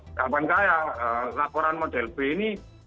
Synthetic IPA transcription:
kabankajalakɔɾanmɔdɛlpeni

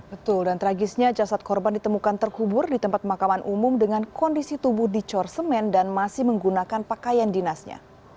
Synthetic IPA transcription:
bət̪ʊldant̪əɾaɡɪsɲad͡ʒasat̪̚kɔrbandit̪əmukant̪ərkubʊrdit̪əmpat̪̚makamanʔumʊmdəŋankɔndisit̪ubʊhdit͡ʃɔrsəmɛndanmasɪhməŋɡunakanpakajandinasɲa̰

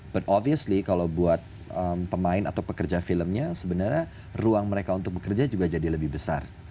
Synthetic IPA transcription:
b̥at̪ɔviəslikalawbuat̪̚ | əmpəmaɪna̰t̪awpəkərd͡ʒafiləmɲasəbənarɲa | ruaŋməɾekaunt̪ʊk̚bəkərd͡ʒad͡ʒuɡad͡ʒadiləbɪhbəsa̰r

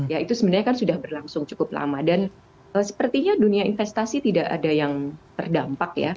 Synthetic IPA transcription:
jait̪usəbənarɲakansudahbərlaŋsʊŋt͡ʃukʊp̚la̰madan | əsə̥pərt̪iɲaduniainfɛst̪asit̪idaʔa̰dajaŋt̪ərdampakja̰

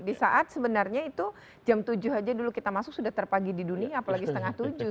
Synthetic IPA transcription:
disaʔat̪̚səbənarɲait̪u | d͡ʒamt̪ud͡ʒʊhad͡ʒadulukit̪amasʊk̚sudaht̪ərpaɡididuniaːpalaɡisət̪əŋaht̪ud͡ʒʊ

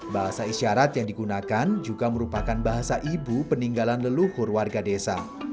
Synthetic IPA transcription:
baɦasaisiaɾat̪jaŋdiɡunakand͡ʒuɡaməɾupakanbaɦasaʔibupəniŋɡalanləluhʊrwarɡadesa̰

